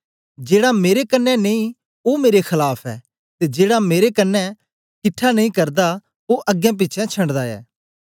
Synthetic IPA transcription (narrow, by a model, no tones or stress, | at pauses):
d͡ʒeːɽameːɾekənːɛneĩ | omeːɾexʰɐlaːpʰɛ̰ː | t̪ed͡ʒeːɽameːɾekɐnːɛ | kʰɪʈʰːanɐ̃ĩkɐɾd̪a | oʔɐɡːɛ̃p̬ɪt͡ʃʰɛ̃t͡ʃʰɐ̃ɳɖd̪aɛ̰ː